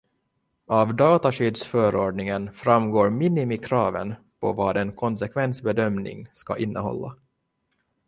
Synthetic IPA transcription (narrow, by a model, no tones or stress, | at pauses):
avd̪ɑːt̪aʂyd̪sfœːɾoːɖɳɪŋənfɾamːɡoːɾmɪnːɪmɪkʰɾɑːvə̰n | pʰɔ̰vɑːd̪ɛnkʰɔnsɛkʰvɛnsbɛd̪œmnɪ̰ŋska̰ʔɪnːəɦɔ̰lːa̰